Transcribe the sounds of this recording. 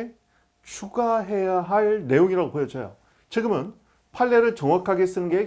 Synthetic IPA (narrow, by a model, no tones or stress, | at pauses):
t͡ɕʰuɡaɦe̞jaɦaɭne̞joŋiɾaɡopojʌd͡ʑʌjo̰ | t͡ɕɯɡɯmɯn | pʰaɭːeɾɯɭt͡ɕʌŋwakʰaɡes͈ɯnɯnɡe